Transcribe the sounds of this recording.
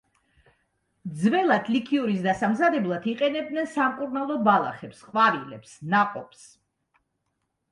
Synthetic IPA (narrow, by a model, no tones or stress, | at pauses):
d̪zvɛlˠad̪ʰlikʰiuɾisd̪asamzad̪ɛblˠat̪ʰiqʼɛnɛb̚d̪nɛnsamkʼuɾnalˠɔbalˠa̰χɛpsqʼwavilɛ̰psnaqʼɔps